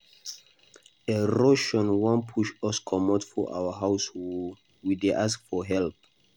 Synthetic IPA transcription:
eɹoʃɔ̃nwɔ̃npʰuʃɔskʰɔmɔtfɔʔa̰wəɦaʊshɔl | wideʔaskfɔɦɛlp̚

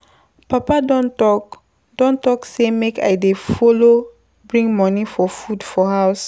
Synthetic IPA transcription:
papadɔ̃ntɔk | dɔ̃ntɔksemeka̰ɪdefolo | bɹĩŋɡmɔ̃nifɔfudfɔhaʊs

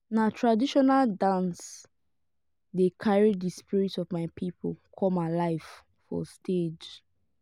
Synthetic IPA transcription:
natʰɹadiʃɔnaldãns | dekʰaɹid͡ʒdispiɹitɔvmaɪpʰipʰolkʰɔ̃malaɪf | fɔ̰stʰed͡ʒ

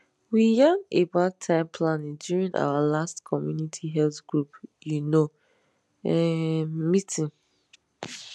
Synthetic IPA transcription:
wijanebatʰãɪ̃mpʰlanĩdjuɹĩna̰walastkʰɔmjunitʰiɦɛltɡ̥ɹupjuno | ɛmitʰĩn

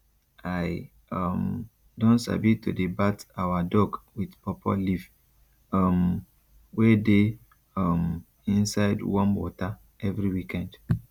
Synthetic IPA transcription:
aj | ɔm | dɔ̃nsa̰bitodebatawadɔɡwidpɔpʰɔ̰lif | ɔm | wede | ɔm | ĩnsaɪdwɔ̃nwɔ̰ta | ɛvɾiwikɛ̃nd

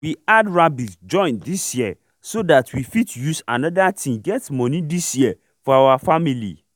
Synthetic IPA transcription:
wiadɹabisd͡ʒɔ̃ɪ̃ndisjiə | sodatʰwifitjusanɔdatʰĩɡɛtmɔ̃nĩdisjiə | fɔawafamilḭ

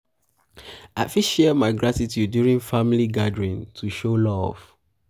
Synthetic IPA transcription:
afiʃɛmaɪɡɹatitʰjudjuɹĩŋfamiliɡadɹĩntʰuʃolɔv̥

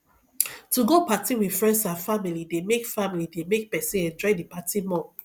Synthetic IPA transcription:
tuɡopatiwi̥fɹɛ̃ndsãfamilidemekfamilidemek̚pɛsĩɛ̃nd͡ʒɔɪdipatimɔ

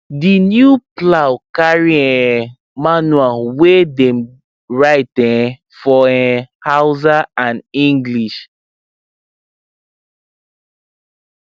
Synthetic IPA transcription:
dinjuplawkaɹiɛ̃ | manwawedɛ̃m | ɹaɪtɛ̃ | fɔɛ̃hawzaãnĩŋɡliʃ

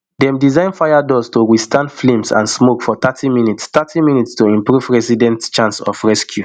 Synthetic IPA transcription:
dɛ̃mdizãɪ̃nfajadɔstowistãndflẽmsã̰nsmokfɔt̪atʰiminitst̪atʰimĩnitstoĩmpɹuvɹɛsidɛ̃ntt͡ʃãnsɔ̰fɹɛskʰju

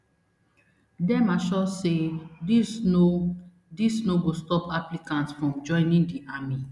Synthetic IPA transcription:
dɛmaʃɔseiso | disnoɡostɔpaplikãntsfɹɔ̃md͡ʒɔ̃ɪ̃nĩndiʔami

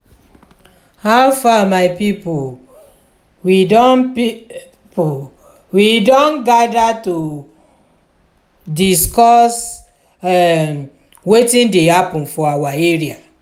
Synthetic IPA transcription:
hawfamaɪpipo | widɔnpi | po | widɔ̃nɡadato | diskɔs | ɛ | wetĩndehapɔ̃nfɔawaeɹia

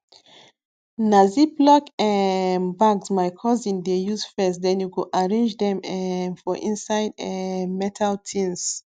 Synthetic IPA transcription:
naziplɔkɛnbaɡsmajkʰɔzĩndejuzfɛsdɛ̃njukuʔaɹẽnd͡ʒdɛ̃mfɔʔĩnsaɪdɛmɛtʰaltʰĩns

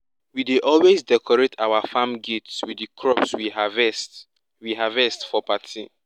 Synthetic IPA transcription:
wideʔɔlwezdɛkʰɔɹetʰawafamɡitswidikʰɹɔpswihavɛs | wiɦavɛstfɔpatʰḭ

